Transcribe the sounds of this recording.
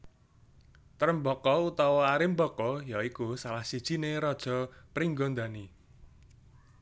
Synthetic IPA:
t̪əɾəmbɔkɔut̪ɔwɔaɾɪmbɔkɔjaikusalahsid̥ʒ̥i̤neɾɔd̥ʒ̥ɔ̤pɾiŋɡɔnd̪a̤ni

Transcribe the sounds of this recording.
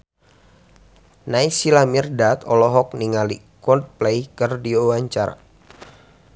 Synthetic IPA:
najsilamirdat̪ɔlɔɦɔk̚niŋali | kɔnt̪̚plaikərdiowaɲt͡ʃaɾa̰

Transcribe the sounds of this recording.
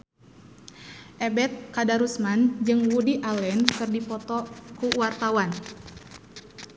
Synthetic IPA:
ʔɛbɛt̪̚kadaɾusmand͡ʒɨŋwudiʔalɛnkɨrdipɔt̪ɔkuwart̪awan

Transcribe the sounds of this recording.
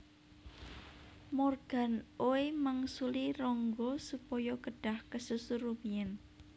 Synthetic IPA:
mɔrɡ̥a̤noeməŋsuliɾɔŋɡɔsupɔjɔkəɖ̥a̤hkəsusuɾumiən

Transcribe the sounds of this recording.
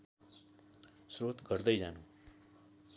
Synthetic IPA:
sɾot̪ɡəɾd̪əjd͡ʒanũ

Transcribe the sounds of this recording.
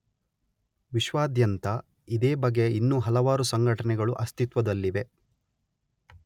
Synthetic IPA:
ʋiʃʋaːd̪jɐnt̪ɐ | id̪eːbɐɡe̞inːuːɦɐlɐʋaːɾusɐŋɡʱɐʈɐnɛɡɐɭuʔɐst̪it̪ʋɐd̪ɐlːiʋe̞

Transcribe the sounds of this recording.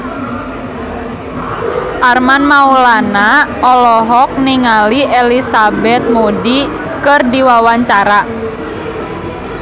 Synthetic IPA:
ʔarmanmaulanaɔlɔɦɔk̚niŋaliʔelisabɛt̪̚modi | kɨrdiwawaɲt͡ʃaɾa

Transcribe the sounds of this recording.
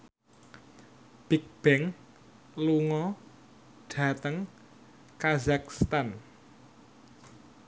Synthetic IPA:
b̥ik̚b̥ɛŋ | luŋɔ | ɖ̥a̤t̪əŋ | kazakst̪an

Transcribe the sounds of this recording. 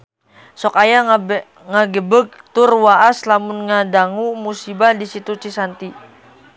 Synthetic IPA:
sɔkaja | ŋaɡəbək̚t̪ʊrwaʔaslamunŋadaŋumusibadisit̪ut͡ʃisant̪i

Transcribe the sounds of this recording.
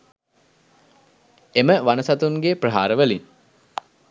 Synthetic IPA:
eməʋanəsat̪uŋɡeprəɦaːɾəʋəlin

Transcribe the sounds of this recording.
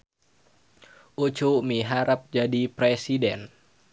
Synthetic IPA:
ʔut͡ʃumiɦaɾap̚d͡ʒadipɾesidɛn

